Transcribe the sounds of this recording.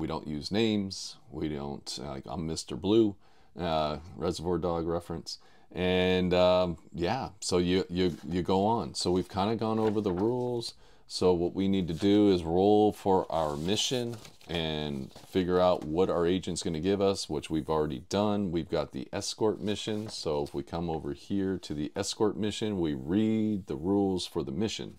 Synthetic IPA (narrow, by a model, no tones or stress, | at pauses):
wiɾõʊ̃nʔjʉznẽɪ̃mz̥wiɾõ̰ʊ̃nta̰ɪkã̰ɪ̃mːɪstə˞blu | ʌɹʔɛzə˞vɔɹdɔɡɹɛfɹɨ̃ns | ʔɨ̃nʌjæsoʊjɨjɨjɨɡoʊə̃nsoʊwiv̥kʰãɪ̃ndɨɡɔ̃noʊvə˞ðəɹulˠz̥ | soʊwʌʔwinid̚tɨdɨɪzɹoʊlˠfə˞ʔa̰ʊə˞mɪʃɨ̃n | ʔɨ̃nfɪɡjə˞aʊʔ̚wʌɾaʊə˞eɪd͡ʒɨ̃ntsɡ̥ʌnɨɡɪvʌswət͡ʃwivl̩ˠɹɛɾḭdʌ̃nwivɡɑt̪̚ðḭʔɛskɔɹt̚mɪʃɨ̃nsoʊfwikʰʌ̃moʊvə˞hiɹɾɨðiʔɛskɔɹt̚mɪʃɨ̃nwiɹid̪̚ðɨɹulˠz̥fə˞ðɨmɪʃɨ̰̃n